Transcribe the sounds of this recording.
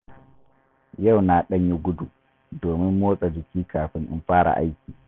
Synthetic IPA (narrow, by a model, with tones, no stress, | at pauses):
ja˦˨wna˨ɗɐ˦ɲji˦ɡʊ˦du˨ | doː˨mɪ˦mːoː˦sʼa˨d͡ʒɪ˨kʲiː˦kaː˨ɸɪ˦nʔɪ̰˦nɸaː˦ɽa̰˨ʔa̰˦jkʲiː˨